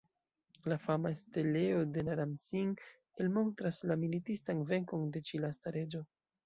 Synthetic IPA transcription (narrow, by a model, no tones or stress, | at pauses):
lafamaeste̞le̞o̞de̞naɾamsiŋ | elmo̞ntɾaslamilitistanve̞ŋko̞nde̞t͡ʃilastaɾe̞d͡ʒo̞